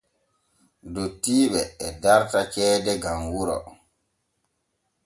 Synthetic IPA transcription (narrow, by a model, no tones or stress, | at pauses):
dotiːɓɛːdaɾtat͡ʃɛːdɛɡamwuɾɔ̰